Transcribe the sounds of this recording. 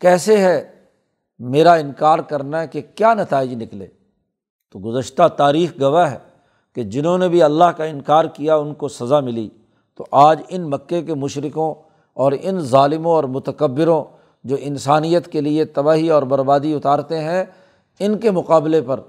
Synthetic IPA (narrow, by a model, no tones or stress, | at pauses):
kɛːseɦɛ | meːɾaɪnkaːɾkɐɾnaɦɛkekjaːnɐt̪aːɪd͡ʒnɪklḛː | t̪oɡʊzəʃt̪at̪aːɾiːxɡɐʋaɦɛ | ked͡ʒɪnɦõnebʱiɐlːaɦkaɪnkaːɾkijaʊnkosɐzamɪlḭ | t̪oʔaːd͡ʒɪnmɐkːekemʊʃɾɪkõ | ɔːɾɪnzaːlɪmõɔːɾmʊt̪əkəbːɪɾõ | d͡ʒoːʔɪnsaːnijət̪keliet̪ɐbaːɦiɔːɾbɐɾbaːd̪iʊt̪aːɾt̪eɦɛ̃ | ɪnkemʊqaːblepɐɾ